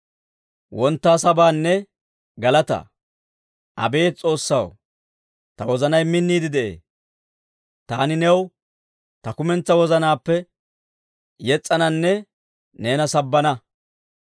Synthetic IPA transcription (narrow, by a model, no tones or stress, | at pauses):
wɔnt̪ːaːsɐbaːnːɛ | ɡɐlɐt̪ɐ̰ | ʔɐ̰be̞ːt͡sʼo̞ːsːɐ̰w | t̪ɐwɔzɐnɐjmɪnːiːd̪ɪd̪ɛʔḛː | t̪aːnɪnɛw | t̪ɐkʊmɛnt͡sːɐwɔzɐnaːpːɛ | jɛt͡sʼːɐnɐnːɛ | ne̞ːnɐsɐbːɐnɐ